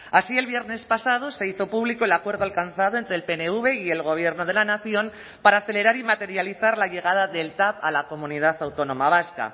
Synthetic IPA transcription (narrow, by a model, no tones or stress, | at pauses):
asie̞lβje̞ɾne̞spasað̞o̞se̞iθo̞puβliko̞elakwe̞ɾðoalkanθaðoent̪ɾe̞lpeneuβ̞e̞ie̞lɣ̞o̞β̞je̞ɾno̞ð̞e̞lanaθjo̞m | paɾaːθe̞le̞ɾaɾimat̪e̞ɾjaliθaɾlaʝe̞ɣ̞að̞aðe̞lt̪apalako̞mũnið̞aθawt̪o̞nõ̞maβ̞aska̰